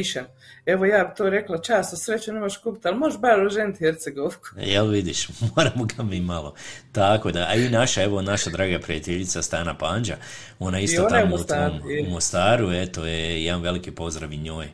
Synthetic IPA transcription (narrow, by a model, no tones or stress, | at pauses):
iʃa | eʋojaːbit̪oːɾe̞klˠat͡ʃaːst̪asɾet͡ɕuneːmoʃkupit̪almoɾʃbaɾoʒent̪heɾt̪seɡoʋku̥jelʋid̪iʃmoːɾamoɡamimalo̞t̪akod̪ainaʃaeʋo̞naʃad̪ɾaːɡapɾijat̪eʎit̪sast̪aːnapaːnd͡ʒa | o̞naist̪oonaekouammost̪aːɾuet̪ojejanʋe̞likipo̞zd̪ɾaʋiɲo̞ːj